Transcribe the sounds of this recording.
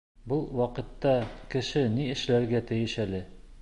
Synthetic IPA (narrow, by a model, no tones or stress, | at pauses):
bɤlˠwɒqɤ̆t̪ːɑkɘ̆ʃɘniɘ̆ʃlæɾɡæt̪ɘ̆jɘʃælɘ